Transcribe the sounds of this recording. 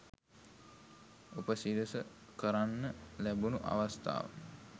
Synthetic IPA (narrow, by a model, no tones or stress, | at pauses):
opəsid̪əsə | kəɾanːəlæbunuʔa̰ʋast̪ʰa̰ːʋə̰